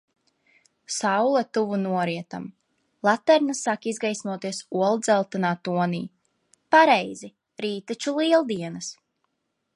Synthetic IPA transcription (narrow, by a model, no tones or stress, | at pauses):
sawlˠat̪uvunuɔɾiɛt̪a̰m | lˠat̪ːɛɾnasːakizɡajsnuɔt̪iɛsuɔlˠd̪zɛlˠt̪anaːt̪uɔnḭː | paɾɛjzi | ɾiːt̪at͡ʃulˠiɛlˠd̪iɛnas